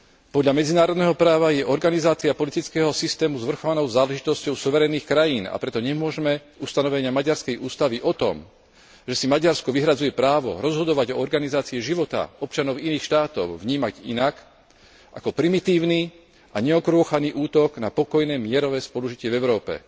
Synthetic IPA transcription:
pɔd̪ʎamɛd͡zinaːɾɔd̪nɛɦɔpɾaːʋajɛʔɔɾɡanizaːt͡siapɔlit̪it͡skɛːɦɔsist̪ɛːmuzʋr̩xɔʋanɔʊzaːlɛʒit̪ɔscɔʊsuʋɛɾɛniːxkɾajiːna̰pɾɛt̪ɔɲɛmʊɔʒɛmɛ | ust̪anɔʋɛɲɪamaɟaɾskɛjʔuːst̪aʋiʔɔt̪ɔ̰m | ʒɛsimaɟaɾskɔʋiɦɾad͡zujɛpɾaːʋɔ̰ɾɔzɦɔd̪ɔʋaɟɔɔɾɡanizaːt͡siɛʒiʋɔt̪a̰ɔp̚t͡ʃanɔʊiniːxʃt̪aːt̪ɔ̰ʊvɲiːmaɟḭnak | ʔa̰kɔpɾimit̪iːʊni | aɲɛɔkɾʊɔxaniʔuːt̪ɔɡnapɔkɔjnɛːmɪɛɾɔʋɛːspɔluʒicɪɛvɛʊɾɔːpɛ̰

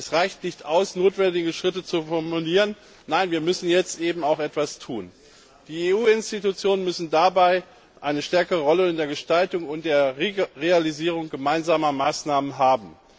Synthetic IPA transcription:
ɛsʁaɪçtnɪçtʔaʊsnoːtv̥ɛndɪɡəʃʁ̥ɪtət͡sufɔɐmuliːʁən | naɪnviːɐmʏsn̩jɛt͡stʔeːbm̩aʊxʔɛtv̥astʰuːn | d̥iːeːuːɪnstitut͡sjoːnənmʏsn̩dabaɪ | ʔaɪnəʃtɛɐkəʁəʁɔləɪndeːɐɡəʃtaltʊŋʊnt̚d̥eːɐʁealiziːʁ̞ʊŋɡəmaɪnzaːmɐmaːsnaːmənɦaːbm̩

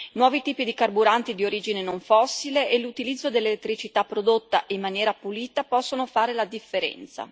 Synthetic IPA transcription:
nwɔːvit̪iːpid̪ikarbuɾant̪id̪ioɾiːd͡ʒinenoɱfɔsːileʔelut̪ilid̪zːod̪elːelet̪ːɾit͡ʃit̪apːɾod̪ot̪ːaʔimːanjɛːɾapuliːt̪apɔsːonofaːɾelad̪ifːeɾɛ̰nt̪sa̰

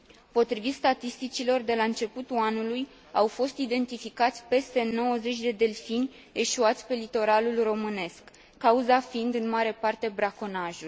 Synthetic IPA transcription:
po̞t̪ɾivit̪st̪at̪ist̪it͡ʃilo̞rd̪e̞laɨnt͡ʃe̞put̪uanuluj | awfo̞st̪id̪e̞nt̪ifikat̪sʲpe̞st̪e̞no̞wəze̞t͡ʃʲd̪e̞d̪e̞lfinʲ | e̞ʃuat̪sʲpe̞lit̪o̞ɾalulro̞mɨne̞skː | auzafind̪ɨnmaɾe̞part̪e̞bɾako̞naʒul

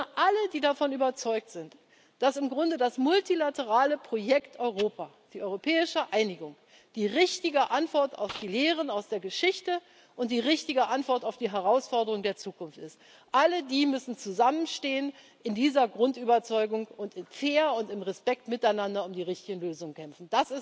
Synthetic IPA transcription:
ʔalədiːdafɔnyːbɐt͡sɔʏk̚tz̥ɪnt | d̥asɪmɡʁʊndədasmʊltilatəʁaːləpʁ̥ojɛktʔɔʏʁoːpʰaː | d̥iːʔɔʏʁopʰɛːɪʃəʔaɪnɪɡʊŋ | d̥iːʁɪçtɪɡəʔantv̥ɔɐta̰ʊfd̥iːleːʁ̞ənaʊsd̥eːɐɡəʃɪçtə | ʔʊnt̚d̥iːʁɪçtɪɡəʔantv̥ɔɐtaʊfd̥iːɦɛʁaʊsfɔɐdəʁ̞ʊŋdeːɐt͡suːkʊnftɪst | ʔalədiːmʏsn̩t͡suzamənʃteːən | ɪndiːzɐɡʁʊntyːbɐt͡sɔʏɡʊŋʊntɪnfeːɐʊntɪmʁɛspɛktmɪtaɪnandɐʊmdiːʁɪçtɪɡn̩løːzʊŋənkʰɛmfn̩d̥asɪs

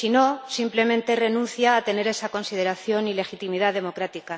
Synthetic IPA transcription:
sino̞simple̞mẽnt̪e̞re̞nũnθjaːt̪e̞ne̞ɾe̞sako̞nsið̞e̞ɾaθjo̞nile̞xit̪imiðaðe̞mo̞kɾat̪ika

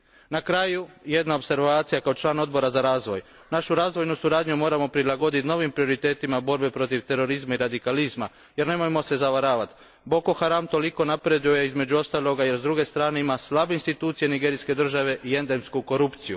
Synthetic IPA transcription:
nakɾaːjuje̞d̪naopse̞ɾʋaːt̪sijakao̞t͡ʃlˠaːno̞d̪bo̞ɾazaɾaːzʋo̞j | naʃuɾaːzʋo̞jnusuɾaːd̪ɲumo̞ːɾamo̞pɾilˠaɡo̞d̪it̪no̞ʋimpɾio̞ɾit̪e̞ːt̪imabo̞ɾbe̞pɾo̞t̪iʋt̪e̞ɾo̞ɾizmaiɾad̪ikalizma | je̞ɾne̞mojemo̞se̞zaʋaɾaːʋat̪ | bo̞ko̞xaɾamt̪o̞liko̞napɾe̞d̪uje̞izme̞d͡ʑuo̞st̪aːlˠo̞ɡaje̞ɾzd̪ɾuɡe̞st̪ɾaːne̞imaslˠabeinst̪it̪uːt̪sije̞niɡeɾiske̞d̪r̩ʒaʋe̞ʔie̞nd̪e̞mskuko̞ɾupt̪siju

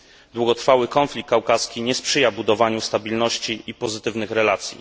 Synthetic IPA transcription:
d̪wuɡɔt̪ɾfawɘkɔnflʲik̚kːawkaskʲiɲɛspʂɘjabud̪ɔvaɲust̪abʲilnɔɕt͡ɕiʔipɔzɘt̪ɘvnɘxɾɛlat̪sʲjḭ

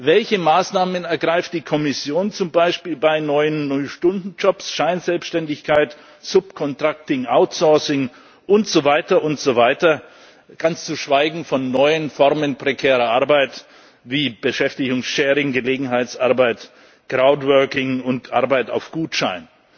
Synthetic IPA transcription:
vɛlçəmaːsnaːmənɛɐɡʁaɪft̚d̥iːkʰɔmɪsjoːnt͡sʊmbaɪʃpiːlbaɪnɔʏənːɔʏʃtʊndn̩d͡ʒɔpsʃaɪnzɛlpsʃtɛndɪçkʰaɪt | z̥ʊp̚kʰɔntʁ̥ak̚tɪŋʔaʊtsɔɐsɪŋ | ʔʊntz̥ovaɪtɐʔʊntz̥ovaɪtɐ | ɡ̥ant͡st͡suʃv̥aɪɡŋ̩fɔnːɔʏənfɔʁmənpʁ̥ekʰɛːʁɐʔaɐbaɪt | viːb̥əʃɛftɪçʊŋsʃɛːʁɪŋɡəleːɡŋ̩ɦaɪtsʔaɐbaɪt | kʁ̥aʊtvœɐkɪŋʊntʔa̰ɐbaɪta̰ʊfɡ̥uːtʃa̰ɪn

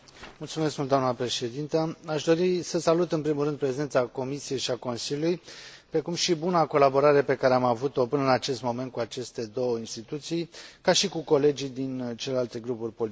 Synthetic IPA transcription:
mult̪sumeskmuld̪oamnəpɾe̞ʃe̞d̪int̪əaʃd̪o̞ɾisəsalut̪ɨnpɾimulɾɨnd̪̚pɾe̞ze̞nt̪sako̞misije̞jʃiako̞nsiljulujpɾe̞kumʃibunako̞labo̞ɾaɾe̞pe̞kaɾe̞amavut̪o̞pɨnəɨnat͡ʃe̞st̪mo̞me̞nt̪̚kuat͡ʃe̞st̪e̞d̪o̞wəinst̪it̪ut̪sijkaʃikuko̞le̞d͡ʒid̪int͡ʃele̞lalt̪e̞ɡɾupurʲpol

